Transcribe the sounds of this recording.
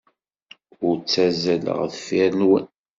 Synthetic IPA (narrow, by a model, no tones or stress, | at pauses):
ʊɾt͡sːæzælə̰ʁθfiɾnwə̰n